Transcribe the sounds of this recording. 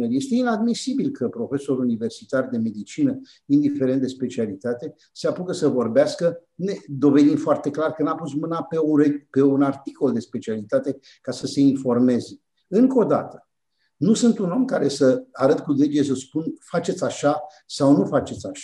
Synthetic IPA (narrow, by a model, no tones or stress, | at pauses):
neɾje̞st̪e̞inad̪misibilkəpɾo̞fe̞so̞ɾunive̞rsit̪ard̪e̞me̞d̪it͡ʃinə | ind̪ife̞ɾe̞nt̪d̪e̞spe̞t͡ʃialit̪at̪e̞ | seapukəsəvo̞rbeaskəned̪o̞ve̞d̪imfoart̪e̞klarkənapus̬mɨnapeuepe̞unart̪i̥ko̞ld̪e̞spe̞t͡ʃialit̪at̪e̞ | kasəse̞info̞rme̞ze | ɨŋko̞d̪a̰t̪ə̥ | nusɨnt̪uno̞mkaɾe̞səaɾət̪kuled͡ʒies̬əspunfat͡ʃe̞t̪sʲaʃa | sawnufat͡ʃe̞t̪saʃa